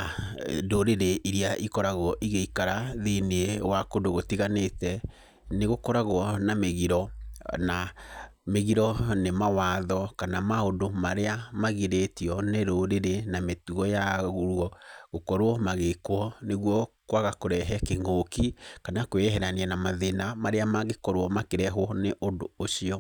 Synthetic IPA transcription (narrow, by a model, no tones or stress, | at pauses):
doɾeɾeʔiɾiaʔikɔɾaɣwɔʔiɣeikaɾaðineewakodoɣotiɣanetɛ | neɣokɔɾaɣwɔnameɣiɾɔna | meɣiɾɔnemawaðɔkanamaondomaɾeamaɣiɾetiɔneɾoɾeɾenametuɔjaɣuɾwɔɣokɔɾwɔmaɣekwɔneɣwɔkwaɣakoɾɛɦɛkeŋɡokikanakweɦɛɾanianamaðenamaɾeamaɣekɔɾowɔmakeɾɛɦwɔneʔondooʃiɔ